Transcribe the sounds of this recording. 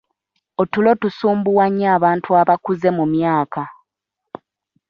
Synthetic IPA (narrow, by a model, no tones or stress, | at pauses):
o̞tulo̞tusuːmbuwaɲːaːβaːntʰuaβakuze̞mumjaːka